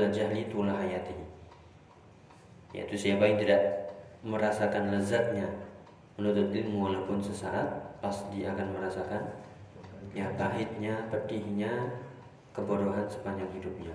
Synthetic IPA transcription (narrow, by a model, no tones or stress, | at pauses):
lad͡ʒahlit̪ulaɦajat̪i | ja̰ʔḭt̪usiapaɪŋt̪idaʔməɾasakanləzat̪̚ɲa | mənut̪ʊt̪̚limualawpʊnsəsaːt̪̚pasdiakanməɾasakan | jap̪aɦɪt̪̚ɲapətihɲa | kəboɾoɦansə̥paɲd͡ʒaŋɦidup̚ɲa